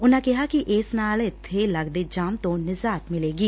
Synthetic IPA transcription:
ʊnãkɪɦakiʔɪːsnaːlɪt̪ʰːeləɡd̪ed͡ʒaːmt̪õːnɪzaːt̪mɪleːɡiː

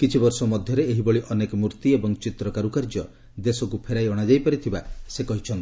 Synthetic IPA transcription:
kit͡ʃʰibɔɾsɔmɔd̪ʱjɔɾeeɦibɔɭiʔɔnekɔmuɾt̪iebɔŋt͡ʃit̪ɾɔkaɾukaɾd͡ʒɔ | d̪esɔkupʰeɾajɔɽ̃ad͡ʒajpaɾit̪ʰibasekɔɦit͡ʃʰɔnt̪i̥

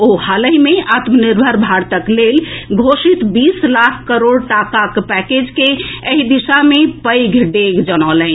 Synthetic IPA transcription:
ohaləɦimeʔat̪məniɾbʱəɾbʱaɾt̪əklelɡʱosit̪bislakʰkːəɾoɽʈakakpɛked͡ʒkeəɦid̪isamepəjɡʱɖeɡd͡ʒənalə

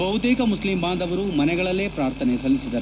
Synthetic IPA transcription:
bʱɐɦut̪iːkɐmuslimbaːnd̪ɐʋɐɾumɐnɛɡɐɭɐlːeːpɾaːɾt̪ʰɐnesɐlːisid̪ɐɾu

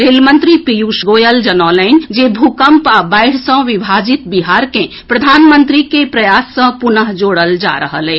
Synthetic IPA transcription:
ɾelmənt̪ɾipijusɡojəld͡ʒənɔlɛnd͡ʒebʱukəmpabaɪɽ̤sə̃ʋibʱad͡ʒit̪̚biɦaɾkẽ | pɾəd̪ʱaːnmənt̪ɾikepɾəjasːə̃punəɦd͡ʒoɽəld͡ʒa̰ɾəɦəlɛ

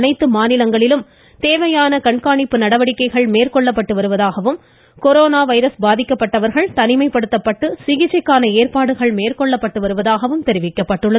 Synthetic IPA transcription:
nɐɪt̪ːɯmaːnɪlɐŋɡɐɭɪlɯm | t̪eːʋɐjaːnɐkɐɳkaːɳɪpːɯnɐɽɐʋɐɽɪkːɐɪɣɐɭmeːrkɔɭːɐpːɐʈːɯʋɐɾɯʋɐðaːɣɐʋɯm | kɔɾoːnaːʋɐɪɾɐsbaːðɪkːɐpːɐʈːɐʋɐɾɣɐɭt̪ɐnɪmɐɪpːɐɽɯt̪ːɐpːɐʈːɯsɪɣɪt͡ʃːɐɪkːaːnɐeːɾpaːɽɯɣɐɭmeːrkɔɭːɐpːɐʈːɯʋɐɾɯʋɐðaːɣɐʋɯmt̪ɛɾɪʋɪkːɐpːɐʈːɯɭːɐ

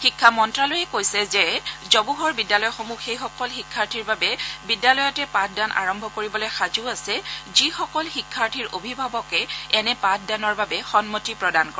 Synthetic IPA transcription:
xikʰːamɔntɹalojɛkojsɛzɛzɔbuɦɔɹbidjalɔjxomuxejxɔkɔlxikʰːaɹtʰiɹbabɛbidjalɔjɔtɛpãt̚ʰdanʔa̰ɹɔmbʱɔkoɹibɔlojxazuasɛzixɔkɔlxikʰːaɹtʰiɹobʱibʱabɔkɛɛnɛpãt̚ʰdanɔɹbabɛxɔnmotipɹɔdankɔɹ

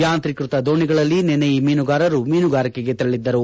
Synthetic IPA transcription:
jaːnt̪ɾikɾut̪ɐd̪o̞ːɳiɡɐɭɐlːinɛnejimiːnuɡaːɾɐɾumiːnuɡaːɾikeɡe̞t̪ɐɾɐɭid̪ːɐɾu

